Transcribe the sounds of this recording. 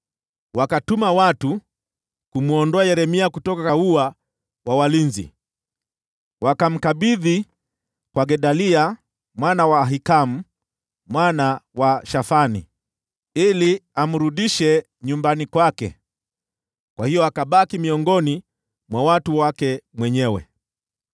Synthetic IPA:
wakatumawatu | kumuɔndɔajɛɾɛmiakutɔkakaua | wawalinzḭ | wakam̩kaɓiði | kwaɡɛɗalia | mwanawaːɦikam̩ | mwanawaʃafanḭ | iliam̩ɾuɗiʃɛ | ɲumbanikwakɛ̰ | kwahijɔakaɓakimiɔŋɡɔni | mwawatuwakɛmwɛɲɛwɛ̰

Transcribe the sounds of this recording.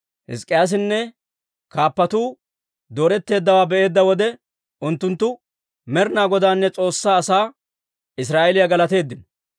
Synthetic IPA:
hɪ̰skʼːɪjaːs̬ɪnːɛ | kaːpːɐt̪uː | d̪o̞ːɾɛt̪ːe̞ːd̪ːɐwaːbɛʔe̞ːd̪ːɐwɔd̪ɛ | ʊnt̪ːʊnt̪ːʊ | mɛɾɪnaːɡɔd̪aːnːɛt͡sʼo̞ːsːaːsaː | ɪsɾaːʔɛlɪjaɡɐlɐt̪e̞ːd̪ːɪnɔ

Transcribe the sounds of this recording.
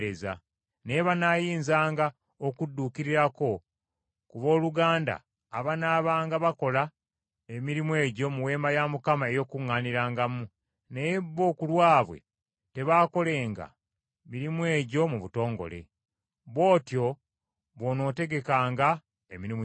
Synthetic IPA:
eza̰ | nejeβanajiːnzaːŋɡa | okudːuːkiɾiɾako̞ | kuβo̞ːluɡaːnda̰ː | βanaβaːŋɡaβako̞la | emiɾimwe̞ːɟo̞muwe̞ːmbajamukamae̞jo̞kuŋːaːniɾaːŋɡamu | nejeβo̞ːkulwaːβwe̞̰ | te̞βaːko̞le̞ːŋɡa̰ | miɾimuwe̞ːɟo̞muβuto̞ːŋɡo̞̰le̞̰ | βo̞ːtjo̞ | βono̞te̞ɡe̞kaːŋɡa | emiɾim

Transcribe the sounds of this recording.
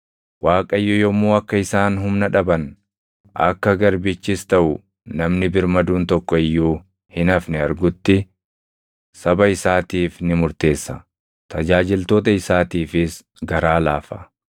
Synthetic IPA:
waːkʼɐjːɔjɔmːuːɐkːɐɪsaːnɦʊmnɐᶑɐbɐn | ɐ̰kːɐɡɐɾbɪt͡ʃːɪst̪ɐʔʊ | nɐmnɪbɪɾmɐd̪uːnt̪ɔkːɔɪjːuː | hɪnɐfnɛɐɾɡʊt̪ːɪ | sɐbɐɪsaːt̪iːfnɪmʊɾt̪e̞ːsːɐ | t̪ɐd͡ʒaːd͡ʒɪlt̪o̞ːt̪ɐɪsaːt̪iːfɪs | ɡɐɾaːlaːfɐ

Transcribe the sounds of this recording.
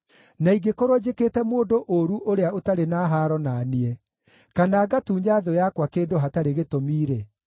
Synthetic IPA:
naiɡekoɾod͡ʑekeːtɛmoːndoʔoɾuʔoɾeaotaɾenaːɦaːɾɔnaniɛ | kanaːɡatuːɲaðɔjakwakeːndoɦataɾeɣetomiːɾe

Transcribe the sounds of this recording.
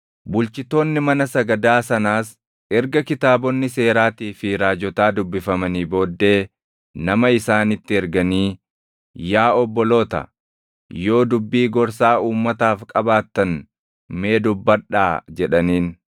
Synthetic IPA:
bʊlt͡ʃɪt̪o̞ːnːɪmɐnɐsɐɡɐd̪aːsɐnaːs | ɛɾɡɐkɪt̪aːbɔnːɪse̞ːɾaːt̪iːfɪɾaːd͡ʒɔt̪aːd̪ʊbːɪfɐmɐniːbo̞ːd̪ːe̞ː | nɐmɐɪsaːnɪt̪ːɪɛɾɡɐniː | jaːɔbːɔlo̞ːt̪ɐ̰ | jo̞ːd̪ʊbːiːɡɔɾsaːuːmːɐt̪aːfkʼɐbaːt̪ːɐn | me̞ːd̪ʊbːɐᶑa̰ːd͡ʒɛᶑɐniːn

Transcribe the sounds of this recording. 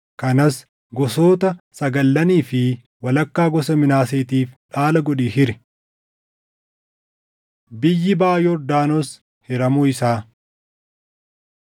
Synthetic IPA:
kɐnɐs | ɡɔsoːt̪ɐsɐɡɐlːɐniːfɪ | wɐlɐkːaːɡɔsɐmɪnaːseːt̪iːfᶑaːlɐɡɔᶑiːhɪɾɪ̥ | bɪjːɪbaːjɔɾd̪aːnɔs | hɪɾɐmuːɪsaː

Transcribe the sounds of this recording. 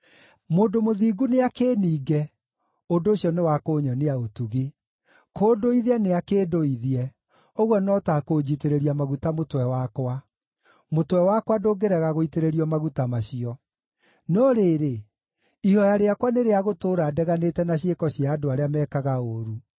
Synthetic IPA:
moːndomoðiːɡuneakeːniːɡɛ | ondoːɕiɔnewakoːɲɔneaotuɣi | koːdoiðiɛneakeːdoiðiɛ | oɣwɔnɔtakod͡ʑiteɾeɾiamaɣutamotwɛwakwa | motwɛwakwadoːɡeɾɛɣaɣoiteɾeɾiɔmaɣutamaɕiɔ | nɔɾeːɾe | ihɔjaɾeakwaneɾeaɣotoːɾaːdɛɣanetɛnaɕ̬ekɔɕiaːdoaɾeamɛkaɣaoɾu

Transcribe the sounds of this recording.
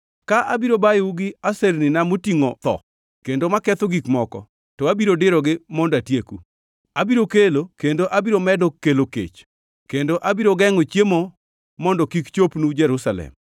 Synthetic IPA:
kaʔabiɾobajuɡɪasernɪnamotiŋot̪ɔ̰ | kendomakɛt̪oɡikmɔkɔ̰ | tɔabiɾodɪɾɔɡɪmɔndatjeku | abiɾokelokendoʔabiɾomɛdɔkːelokḛt͡ʃ | kendoʔabiɾoɡɛŋot͡ʃjemo | mɔndɔkikt͡ʃopnud͡ʒɛɾusalɛ̰m

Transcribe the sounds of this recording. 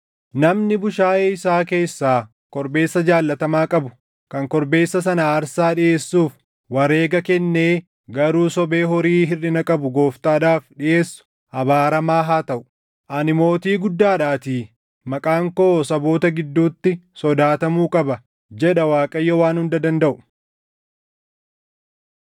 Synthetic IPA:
nɐmnɪbʊʃaːʔeːɪsaːke̞ːsːaː | kɔɾbe̞ːsːɐd͡ʒaːlːɐt̪ɐmaːkʼɐbʊ̥ | kɐŋkɔɾbe̞ːsːɐsɐnaːɾsaːᶑɪʔeːsːuːf | wɐɾe̞ːɡɐkɛnːeː | ɡɐɾuːsɔbe̞ːɦɔɾiːɦɪrɪnɐkʼɐbʊɡo̞ːft̪ʼaːᶑaːfᶑɪʔe̞ːsːʊ̥ | ɐbaːɾɐmaːɦaːt̪ɐʔʊ̥ | ʔɐnɪmo̞ːt̪iːɡʊd̪ːaːᶑaːt̪iː | mɐkʼaːŋko̞ːsɐbo̞ːt̪ɐɡɪd̪ːuːt̪ːɪsɔd̪aːt̪ɐmuːkʼɐbɐ | d͡ʒɛᶑɐwaːkʼɐjːɔwaːnhʊnd̪ɐd̪ɐnd̪ɐʔʊ̥

